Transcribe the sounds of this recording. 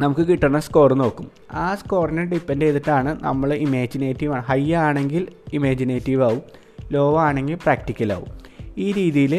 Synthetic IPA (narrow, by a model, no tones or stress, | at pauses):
nɐmukːɨkiʈːɐɳɐsko̞ːrɨno̞ːkːum | aːsko̞ːrineɖipːendeðɐʈːaːɳɨnɐ̰mːɐɭimeːd͡ʑineːtːiʋaːɳɨɦɐjaːɳe̞ŋɡilimeːd͡ʑineːtːiʋaːʋum | lo̞ːʋɐaːɳe̞ŋɡilpraːkʈikʲːɐla̰ːʋṵmiːɾiːðijil